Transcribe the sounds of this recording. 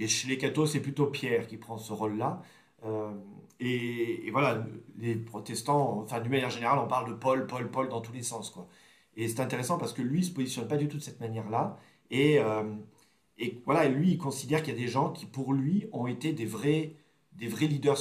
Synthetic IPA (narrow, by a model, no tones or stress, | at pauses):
eʃelekat̪osɛplyt̪opjɛʁkʲipχɑ̃səʁolːa | ømeːvwalalepχɔt̪ɛst̪ɑ̃fɛ̃d̪ynmanjɛʁʒeneʁalɔ̃paʁld̪əpɔlpɔlpɔld̪ɑ̃t̪ulesɑ̃skwa | esɛt̪ɛ̃t̪eʁesɑ̃paʁsə̥kəlɥisə̥pozisjɔnpad̪yt̪ud̪əsɛt̪manjɛʁla | eøm | evwalaelɥiːlkɔ̃sid̪ɛʁkilijad̪eʒɑ̃kʲʰipuʁlɥiɔ̃et̪ed̪evʁɛ | d̪evʁɛlid̪œʁ